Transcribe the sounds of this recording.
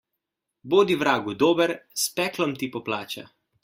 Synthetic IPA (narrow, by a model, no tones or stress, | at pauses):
boːd̪iʋɾaːɡud̪oːbəɾspɛːklɔmt̪ipɔplaːt͡ʃa̰